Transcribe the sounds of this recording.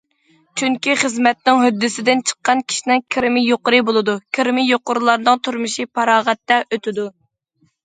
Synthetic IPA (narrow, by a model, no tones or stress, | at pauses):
t͡ʃʰyŋkʲiχəzmɛt̪nɪŋɦød̪ːɪsɪd̪ɪnt͡ʃʰə̥qːɑnkʲʰi̥ʃinɪŋkʲʰɪɾɪmɪjoqʊɾɨbolˠɨd̪ukʲʰɪɾmɪjoqʊɾlˠɑɾnɨŋt̪ʰuɾmɨʃipʰɑɾɑːʁɛt̪ːɛʔøt̪ɪd̪u